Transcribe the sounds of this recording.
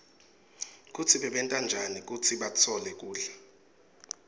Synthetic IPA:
k̬ʼut͡sʰiɓɛɓɛntʼand͡ʒʱanik̬ʼut͡sʰiɓat͡sʰɔlɛk̬ʼuːɮɛ

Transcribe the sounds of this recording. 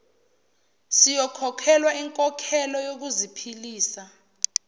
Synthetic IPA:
sijɔkʰɔkʰɛlwaiŋkʼɔkʰɛlɔjok̬uzipʰiliːsa

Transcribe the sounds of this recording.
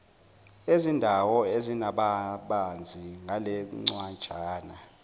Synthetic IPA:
ezindʱawɔezinaɓaɓand͡zʱiŋɡʱalɛŋ͡ǀwant͡ʃaːna

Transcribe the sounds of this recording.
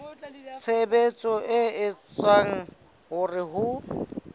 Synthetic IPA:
t͡sʰebet͡sʼɔʔɪɪt͡sʼwaŋ̩ | ɦʊrɪɦʊ

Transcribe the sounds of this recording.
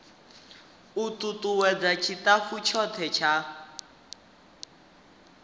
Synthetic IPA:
ututʼuwɛd͡zat͡ʃʰitafut͡ʃʰɔt̪ʰɛt͡ʃʰa

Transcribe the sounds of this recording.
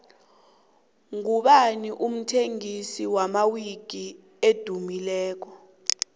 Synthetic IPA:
ŋuɓaniʔum̩tʰeŋisiwamawiɡ̥ʱi | ed̥ʱumilɛːk̬ɔ

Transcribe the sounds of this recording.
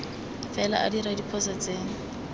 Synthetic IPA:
fɛla̰ʔa̰diɾadipʰɔsat͡seːŋ̩

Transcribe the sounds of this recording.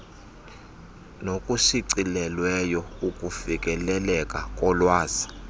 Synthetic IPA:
nokʼusiǀilɛlwɛjɔukʼufikʼɛlɛlɛkʼakʼɔlwaːzi

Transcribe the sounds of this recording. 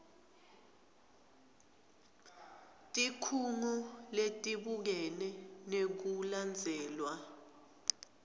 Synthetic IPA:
tʼikʰuŋɔletʼiɓuk̬ɛnɛnek̬uland͡zʱɛːlwa

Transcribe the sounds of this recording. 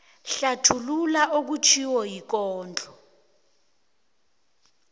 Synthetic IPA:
ɬatʰululaʔok̬ut͡ʃʰiwɔjik̬ɔːnd͡ɮʱɔ

